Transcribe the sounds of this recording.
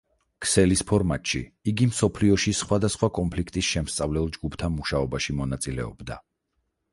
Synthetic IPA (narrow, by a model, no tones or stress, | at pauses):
kʰsɛlispʰɔɾmat̪ʃḭiɡimsɔpʰliɔʃisχwad̪asχwakʼɔmpʰlikʰt̪ʼisʃɛmst̪sʼavlɛlˠd͡ʒɡupʰt̪ʰanmuʃaɔbaʃimɔnat̪sʼilɛ̰ɔ̰bd̪a̰